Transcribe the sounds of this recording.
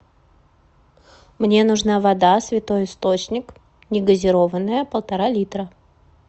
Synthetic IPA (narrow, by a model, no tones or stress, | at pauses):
mnʲe̞nʊʐnavɐd̪asvʲɪt̪o̞jɪst̪o̞t͡ɕnʲɪk | nʲɪɡəzʲɪɾo̞vənːəjəpəlˠt̪ɐɾalʲit̪ɾə